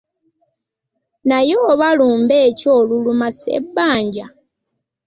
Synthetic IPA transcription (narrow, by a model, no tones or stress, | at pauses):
najoːβaluːmbeːco̞ːlulumasḛbːaːɲɟa